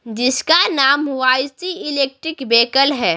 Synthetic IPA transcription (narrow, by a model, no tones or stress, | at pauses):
d͡ʒɪskanaːmʋaːsiɪleːk̚ʈɾɪkbeːkəlɦɛː